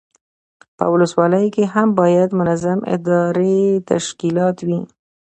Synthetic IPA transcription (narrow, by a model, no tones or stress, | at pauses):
pə̰wʊləswɑləjkeɦambɑjad̪mʊnazamɪ̰d̪ɑɾet̪a̰ʃkilɑt̪wi